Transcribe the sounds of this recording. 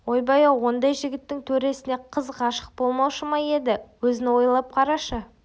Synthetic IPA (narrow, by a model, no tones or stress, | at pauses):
wo̞jbɑjɑwo̞nd̪ɑjʒɪɡʲɪt̪ːɪŋt̪ʰɵɾe̞sɪne̞qʰəzqɑʃə̥q̚bo̞lˠmɑwʃəmɑje̞d̪ɪwɵzɪnɪwo̞jlˠɑp̚qʰɑɾɑʃə